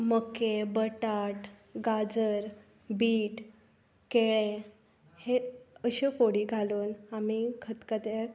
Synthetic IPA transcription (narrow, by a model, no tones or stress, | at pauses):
məkebəʈaʈɡad͡zəɾ | biːʈ | keɭe | heəɕefoɽiːɡʱaluːnamikʰət̪kət̪e